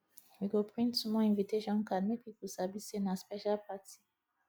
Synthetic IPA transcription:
miɡopʁĩnsumɔ̃ɛ̃viteʒãmkadmẽpikusabisenãspeʃalpati

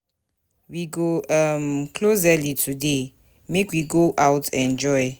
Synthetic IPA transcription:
wiɡoamkʰlozɛlitʰude | mekwiɡoʔawtʰɛ̃nd͡ʒɔɪ

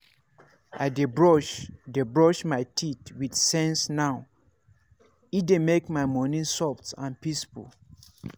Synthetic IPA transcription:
ʔaɪdebɹɔʃdebɹɔʃmaɪtʰitwidsɛ̃nsnaʊ | idemekmaɪmɔnĩnsɔftã̰npisfṵl

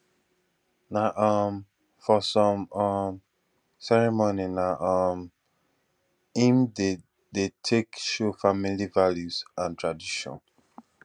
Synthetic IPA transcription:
naʔʌm | fɔsɔ̃mʌm | sɛɹɛmoninaʔʌm | ĩmde | detʰekʃofamilivaljuzãntʰɹadiʃɔ̰̃n

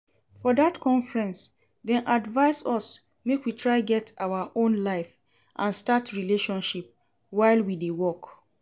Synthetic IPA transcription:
fɔdatkʰɔ̃ɱfɹɛ̃ns | dɛ̃nʔadvaɪsɔs | mekwitʰɹaɪɡɛtʰʔaʊwaʔõnlaɪf | ʔãnstatɹileʃɔ̃nʃip̚ | waɪlwidewɔk

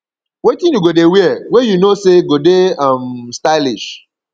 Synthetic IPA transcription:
wetĩnjuɡodewiɛwejunoseɡodeamstaɪliʃ

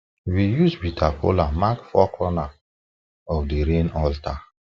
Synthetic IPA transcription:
wijuzbitʰakʰo̰lamakfɔkɹɔna | ɔfdiɾẽnɔltʰa

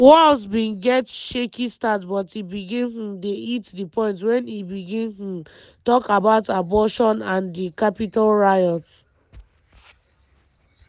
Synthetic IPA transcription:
wɔlsbĩnɡɛtʃekistatbɔtibiɡĩnh̩deitdipɔ̃ɪ̃nt̬wɛ̃nibiɡĩnh̩ | tɔkabaʊtabɔʃɔ̃nãndikapitalɹajɔt

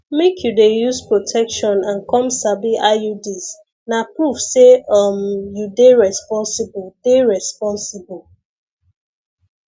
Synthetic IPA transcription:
mekʰjudejuzpɹotʰɛkʃɔ̃nãnkɔ̃msabiʔajudis | napɹuvseʌmjudeɹɛspɔ̃nsibɔd̥eɹɛspɔ̃nsibɔl

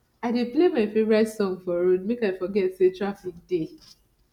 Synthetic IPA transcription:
aɪdeplemaɪfevɹasɔ̃nfɔɹodmekaɪfɔɡɛtsetɹafik̚de

